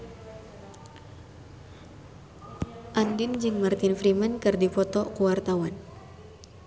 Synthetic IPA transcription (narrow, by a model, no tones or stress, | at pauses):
ʔandind͡ʒɨŋmart̪ɪnfɾimankɨrdipɔt̪ɔkuwart̪awan